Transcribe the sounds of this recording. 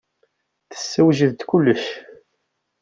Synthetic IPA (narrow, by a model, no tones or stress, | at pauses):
θə̥sːəwʒəðt̪kulːəʃ